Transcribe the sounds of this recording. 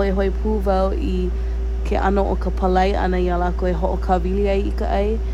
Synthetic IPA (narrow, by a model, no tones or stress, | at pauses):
oeɦoepʰuːvɐw | i | kʰeʔɐ̰noʔokəpʰəlɐjʔɐ̰nɐialakoeɦoʔokʰɐviliɐjikəʔɐj